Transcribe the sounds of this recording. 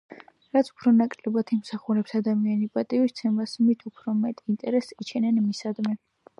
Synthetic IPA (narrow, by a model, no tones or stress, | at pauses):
ɾat̪sʰu̥pʰɾɔnakʼɾlɛbat̪ʰimsaχuɾɛpsad̪amianipʼat̪ʼiwist̪sʰɛmasmit̪ʰupʰɾɔmɛt̪ʼint̪ʼɛɾɛsit͡ʃʰɛnɛnmisad̪mɛ